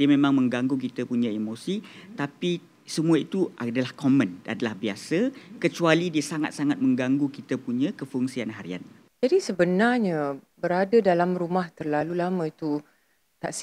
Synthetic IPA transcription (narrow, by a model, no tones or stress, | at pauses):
diəmẽmãŋmə̃ŋɡaŋɡuk̬it̪əpuɲãemosit̪api | səmuait̪uʔadalahkomə̃na̰dalahbiasəkət͡ʃualidiəsaŋa̰t̪̚saŋat̪̚mə̃ŋɡaŋɡukit̪əpuɲə̃kəfuŋsianɦaɾḭa̰n | d͡ʒadisəbənarɲə̃bəɾadadalamrumaht̪ərlalulamə̃it̪u | t̪aʔs